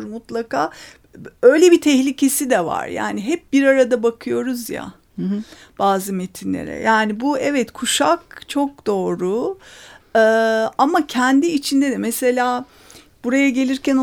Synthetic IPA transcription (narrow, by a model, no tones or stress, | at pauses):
ɾmut̪lˠakaː | ø̞jlʲebit̪ʰɛçlʲicʰe̞sid̪ɛva̰ɾja̰ːniɦɛp̚biɾaɾad̪abakʰɯjo̞ɾuzja̰ | b̥aːzɯme̞t̪ʰinlʲḛɾɛ̰jaːnibuɛvɛt̪kʰuʃak̚t͡ʃʰo̞k̚d̪o̞ːɾu | ɯːamacʰɛnd̪iːt͡ʃʰind̪ed̪ɛmɛse̞lʲaː | b̥uɾajaɟe̞lʲiɾcæn